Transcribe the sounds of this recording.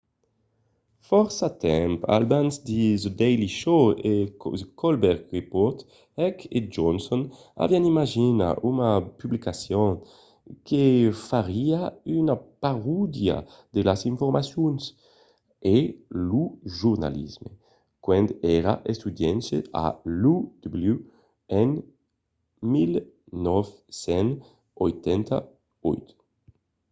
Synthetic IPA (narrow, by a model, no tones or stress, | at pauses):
fɔɾsat̪ɛmpa̰lbanzd̪izd̪ɛjliʃoekɔlbɛɾkʁipɔɾt̪ | ɛked͡ʒɔnsɔn | a̰vianimaʒina̰ʔunapyblikasjɔŋ | kʰefaɾiaynapaʁud̪ja̰ | d̪elasiɱfoɾmasjuns | eluʒuɾna̰lḭzmḛ | kwɛnd̪ɛɾa̰ʔest̪ud̪jɛnʃea̰lud̪̥blu | ɛn | mil | nɔfsɛn | ojt̪ɛnt̪a̰ | ɔjt̪